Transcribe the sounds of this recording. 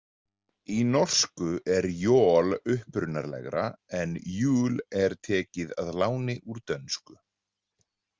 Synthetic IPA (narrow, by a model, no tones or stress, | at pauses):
inɔr̥skʏʔɛɾjɔːlʏhpɾʏnaɾlɛ̰ɣɾa̰ɛnjuːlɛɾ̥t̪ʰɛːcɪðaðlaːwnɪʔuɾt̪œnskʏ